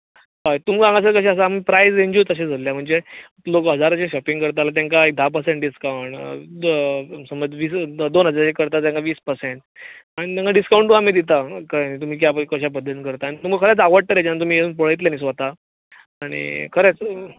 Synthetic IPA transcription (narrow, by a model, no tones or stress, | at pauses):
ɦajt̪um̤ɡãŋɡas̬əɾkəɕ̬aəs̬aːm̤iːpɾajsẽɲd͡ʑuːt̪əɕ̬ed͡zʱəlːjam̤əɳd͡ze | lokəɦəd͡zaɾat͡ɕeɕɔpĩŋɡkəɾt̪alat̪̬jãŋkaek̚d̪ʱap̬əɾsẽɳʈɖiskawɳʈ | səməd͡zʋiːsd̪onɦəd͡zaɾat͡ɕekəɾt̪at̪̬jãŋkaʋiːspəɾseɳʈ̚aɽ̃it̪ãŋɡaɖiskawɳʈ̪uamiːd̪it̪̬akanit̪um̤iːk̬jakəɕ̬apəd̪ʱənkəɾt̪aːɽ̃it̪um̤əkʰəɾat͡saʋəɽt̪əɾed͡ʑanːat̪um̤ieunpəɭəjt̪ljanis̬ʋat̪aː | ɽ̃ḭkʰəɾet͡s